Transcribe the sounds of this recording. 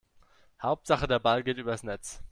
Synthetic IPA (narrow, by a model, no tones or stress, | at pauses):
haʊp̚tz̥aχədeːɐbalɡeːtʔyːbɐdasnɛt͡s